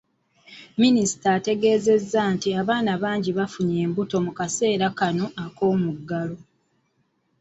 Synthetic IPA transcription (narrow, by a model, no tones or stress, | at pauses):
minisi̥taːte̞ɡe̞ːze̞zːantiaβaːnaβaːɲɟiβafuɲe̞ːmbuto̞mukase̞ːɾakano̞ako̞ːmuɡːalo̞